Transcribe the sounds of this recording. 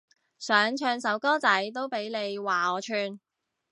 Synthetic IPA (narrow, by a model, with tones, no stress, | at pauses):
sœː˨˥ŋt͡ʃʰœː˧ŋsɐ˨˥wkɔː˥t͡sɐ˨˥jt̪o˥wpe˨˥jne˨˧jwaː˨ɔː˨˧t͡ʃʰyː˧n